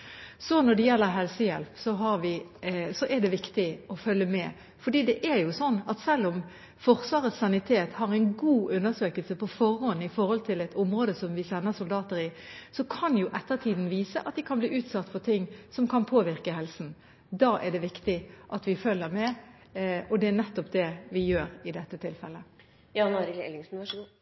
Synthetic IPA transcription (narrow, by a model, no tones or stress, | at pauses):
sɔnɔɖ̪ɛjɛlːəɾɦɛlsəjɛ̰lpsɔɦɑɾʋɪsɔʔɛɖ̪ɛʋɪkt̪ɪɔfœlːəmɛ | fɔɖiːd̪ɛʔæɾjʊsɔnːɑt̪sɛlːɔm | fɔɾsʋɑːɾəsɑnɪt̪ʰeːt̪hɑɾæɪnɡuːʔʉnːəʂøːkəlsəpʰɔfɔɾːɔnːɪfɔhɔlt̪ʰɪlɛɪt̪ʊmʁoːd̪əsɔmʋɪsɛnːəsʊld̪ɑːt̪əɾɪ | sɔkʰɑnjʊʔɛt̪ːət̪ʰiːd̪n̩ʋiːsə̰ʔɑt̪d̪ɪkʰɑnbliːʔʉːt̪sɑt̪ːfɔt̪ʰɪŋːsɔmkʰɑnpʰoːʋɪʁkəɦɛlsn̩ | d̪ɑːʔɛɖɛʋɪkt̪ɪʔɑt̪ʋɪfœlːəɾmɛ | ɔd̪ɛænɛt̪ːɔpd̪ɛʋɪjøːɾɪd̪ɛt̪ːət̪ʰɪlfɛlːə | jɑnoɾɪɛ̰lɪŋsn̩ʋ